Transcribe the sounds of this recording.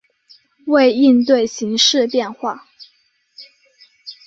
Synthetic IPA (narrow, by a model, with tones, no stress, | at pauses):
we˥˧ɪi˥˧nt̪we˥˩ɪɕi˧˥ŋʂɻ̩˥˧pjɛ˥˧nxwa˥˩